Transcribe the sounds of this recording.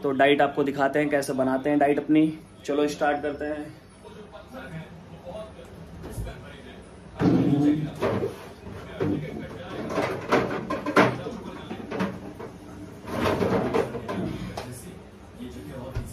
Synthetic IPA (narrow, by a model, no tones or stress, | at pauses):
t̪oːɖaːɪʈaːp̚kod̪ɪkʰaːt̪eɦɛ̃kɛːsebɐnaːt̪eɦɛ̃ɖaːɪʈɐpni | t͡ʃɐloɪsʈaːɾʈ̚kɐɾt̪eɦɛ̃ː